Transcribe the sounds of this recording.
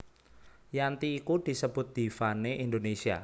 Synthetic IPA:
jant̪iːkud̪̥i̤səb̥ʊ̤t̪̚d̪̥i̤faneʔind̪onesia̰

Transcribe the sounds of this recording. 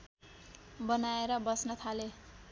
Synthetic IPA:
bʌnaeɾʌbʌsnʌt̪ʰale

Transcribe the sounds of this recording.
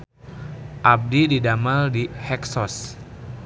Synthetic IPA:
ʔab̚dididamaldihɛksɔs

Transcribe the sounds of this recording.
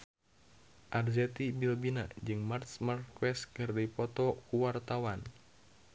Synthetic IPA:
ʔarzɛt̪ibilbinad͡ʒɨŋmart̪smarkwɛskɨrdipɔt̪ɔkuwart̪awan

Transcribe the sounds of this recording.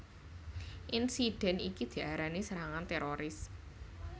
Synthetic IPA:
ʔinsiɖ̥ɛ̤nikid̪̥i̤ʔaɾanisəɾaŋant̪eɾoɾɪs

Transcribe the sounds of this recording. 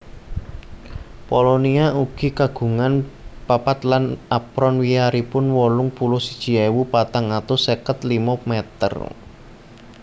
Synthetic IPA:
pɔlɔniauɡ̥i̤kaɡ̥ṳŋanpapat̪lanapɾɔnwiaɾipʊnwɔlʊŋpulʊhsid̥ʒ̥i̤ewupat̪aŋat̪ʊsekət̪limɔmɛt̪ə̰r

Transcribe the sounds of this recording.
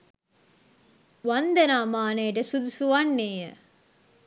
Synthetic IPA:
ʋand̪ɐnaːmaːnejʈəsud̪usuʋanːeːjə

